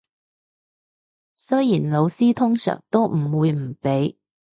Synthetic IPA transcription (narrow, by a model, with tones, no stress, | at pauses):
sɵ˥jjiː˨˩nlo˨˧wsiː˥t̪ʰʊ˥ŋsœ̰ː˨˩ŋt̪o˥wm̩˨˩wuː˨˧jm̩˨˩pe˨˥j